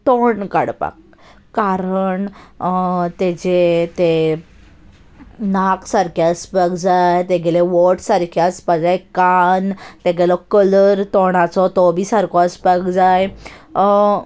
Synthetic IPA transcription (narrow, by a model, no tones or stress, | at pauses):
t̪oɳka̰ɽpa̰kː | aɾəɳ | t̪ed͡ʑet̪e | naksaɾkʰjaspəɡd͡zajt̪eɡɛleʋɔʈsaɾkʰjaspad͡zajkant̪eɡelɔkələɾt̪ɔɽ̃at͡sɔt̪ɔbiːsaɾkʰɔspakd͡zaj